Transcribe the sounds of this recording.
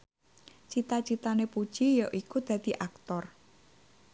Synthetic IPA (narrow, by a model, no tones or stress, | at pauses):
t͡ʃit̪at͡ʃit̪anepud̥ʒ̥ijəʔikud̪̥ä̤d̪̥i̤ʔak̚t̪ɔr